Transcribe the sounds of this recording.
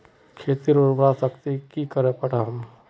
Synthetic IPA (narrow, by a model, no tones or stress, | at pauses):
kʰeːt̪iɾoɾbɾasəkt̪ikikəɾẽpɐɽaɦɐm